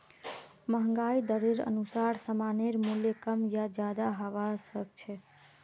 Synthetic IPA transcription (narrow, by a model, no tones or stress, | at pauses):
məɦəŋɡaid̪əɾeɾə̰nusaɾsəmaneɾmuljekəmjad͡ʒjad̪aɦəʋasək̚t͡ʃʰɛ